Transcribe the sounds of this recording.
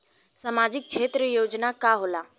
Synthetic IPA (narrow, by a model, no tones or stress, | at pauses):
samaːd͡ʑɪk̚t͡ʃʰeːt̪ɾəjoːd͡ʒnakaɦola